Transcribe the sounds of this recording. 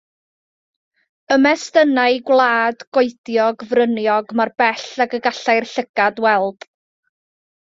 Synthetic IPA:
əmɛstənaɨɡwlˠaːdɡ̥oɨdjɔɡvrənjɔɡmarbɛɬaɡəɡaɬajrɬəɡ̥adwɛlˠd̥

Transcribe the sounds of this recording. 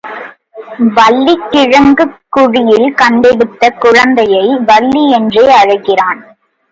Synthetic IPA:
ʋɐlːikːɪɻɐŋɡɯkːʊɻɪjɪlkɐɳɖɛɽɯt̪ːɐkʊɻɐnd̪ɐjɐɪʋɐɭːiɛndreːɐɻɐɪɣɪraːn

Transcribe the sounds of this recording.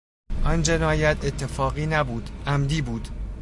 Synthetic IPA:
ʔɒnd͡ʒe̞nɒːjæt̪ʰe̞t̪ʰːe̞fɒːɣiːnæbuːd̪̥ʔæmd̪iːbuːd̪̥

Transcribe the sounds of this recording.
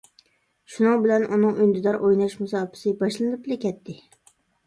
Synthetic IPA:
ʃʊnɨŋbɪlanʔunɨŋʔʊjnd̪ɪd̪ɑɾʔojnɑʃmʊsɑːpʰɪ̥sɪbɑʃlˠɨnɪplɪkʲɛt̪ʰːɪ

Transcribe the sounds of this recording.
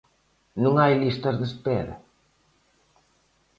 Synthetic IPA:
nuŋajlist̪ɐzðespɛɾɐ̰

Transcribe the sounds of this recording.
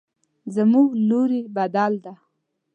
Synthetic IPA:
zamuɡloɾibad̪ɑld̪a

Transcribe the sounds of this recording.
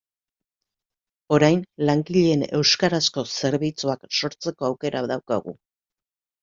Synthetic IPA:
o̞ɾajnlaŋɡiʎe̞ːne̞̰wskaɾasko̞se̞ɾβit͡suakso̞ɾt͡se̞ko̞awke̞ɾaðawka̰ɣṵ

